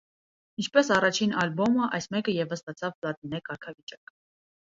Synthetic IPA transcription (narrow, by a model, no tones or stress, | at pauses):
int͡ʃʰpɛsɑrɑt͡ʃʰinɑlbɔməʔɑ̰jsmɛkəjɛvəst̪ɑt͡sʰɑvplɑt̪inɛkɑɾkʰɑvit͡ʃɑkə